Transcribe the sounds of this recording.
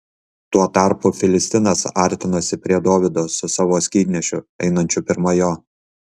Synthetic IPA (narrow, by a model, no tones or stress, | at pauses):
t̪uɔt̪ɑˑɾpʊfʲɪlʲɪsʲt̪ʲɪnɐsɐˑɾʲt̪ʲɪnoːsʲɪpʲɾʲiɛd̪oːʋʲɪd̪oːsʊsɑːʋoːsʲkʲiːd̪ʲnʲɛʃʲʊɛ̰ɪnɐnʲt͡ʃʲʊpʲɪɾmɐjoː